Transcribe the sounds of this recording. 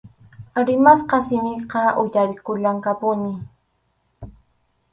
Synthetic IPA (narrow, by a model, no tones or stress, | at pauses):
ɾɪmasqɑsɪmɪqɑʔʊjaɾɪkʊʎaŋkapʊnɪ